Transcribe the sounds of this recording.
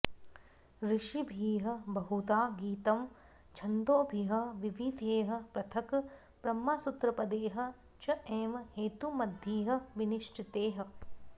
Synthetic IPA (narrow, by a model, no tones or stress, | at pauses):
ɾɪʃibʱiːɦɐ̆bɐɦut̪aːɡiːt̪ɐm | t͡ʃʰɐnd̪oːbʱiɦɐ̆ʋiʋid̪ʱeːɦɐ̆pɾɐt̪ʰɐk | b̥ɾɐmːaːsut̪ɾɐpɐd̪eːɦɐ̆ | t͡ʃɐeːmheːt̪umɐd̪ʱiːɦɐ̆ʋiniʃʈʰit̪eːɦɐ̆